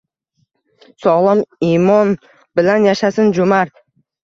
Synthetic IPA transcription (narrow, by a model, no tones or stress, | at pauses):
sɒʁlˠɒmimɒn | bɪlanjaʃasɪnd͡ʒʊmaɾ